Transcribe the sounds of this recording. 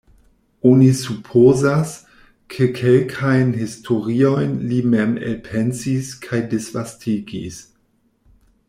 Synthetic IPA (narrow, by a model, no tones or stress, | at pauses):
onisupʰozas | kʰekʰelkʰajnhistʰoɾio̞jnlimemḛlpʰensiskʰajdesvastʰiɡḭs